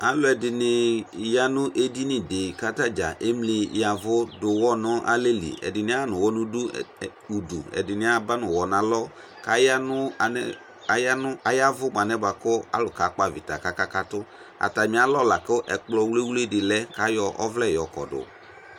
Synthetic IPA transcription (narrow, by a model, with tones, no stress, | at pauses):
a˨lʊ˦ɛ˨dɪ˨nɪ˨ja˦nʊ˦ʔe˦di˦nɪ˨de˨ka˦ta˦d͡ʒa̰˨ʔe˦mlɪ˨ja˨vʊ˦dʊ˨wɔ˦nʊ˦ʔa̰˦le˦lḭ˨ɛ̰˨dɪ˨nɪ˨˦a˦nʊ˨wɔ˦nʊ˦du˦ | u˨dṵ˨ɛ̰˨dɪ˨nɪ˦a˦ba˦nʊ˨wɔ˨na˨lɔ˦ | ka˨ja˦nʊ˦˨ | ja˦nʊ˦a˨ja˦vʊ˦m˨a˨nɛ˦ba˨kʊ˦a̰˦lʊ˨ka˨˦k͡pa˨vɪ̰˨ta˨ka˨ka˦ka˦tʊ˦ | a̰˨ta˨mɪ̃˨˦a˦lɔ˦˨la˨kʊ˦ʔɛ˨k͡plɔ˦˨wle˦wle˦˨dɪ˨lɛ˦ka˨˦jɔ˦ʔɔ˦vlɛ˦˨jɔ˨kɔ̰˨dʊ̰˨